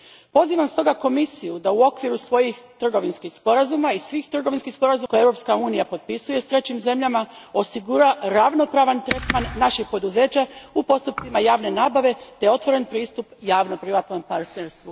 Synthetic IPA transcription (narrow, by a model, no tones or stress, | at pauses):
po̞ziːʋamst̪o̞ɡako̞misijud̪auo̞kʋiɾusʋo̞jixt̪r̩ɡo̞ʋinskixspo̞ɾazumaisʋiːxt̪r̩ɡo̞ʋinskihspo̞ɾazukojeʋɾo̞pskauːnijapo̞t̪̚pisuje̞st̪ɾe̞t͡ɕimze̞mʎamao̞siɡuɾaɾaʋno̞pɾaːʋant̪ɾe̞t̪manːaʃixpo̞d̪uze̞ːt͡ɕaupo̞st̪up̚t̪simajaːʋne̞naːbaʋe̞t̪e̞o̞t̪ʋo̞ɾe̞npɾiːst̪upjaːʋno̞pɾiʋat̪no̞mpaɾt̪neɾst̪ʋu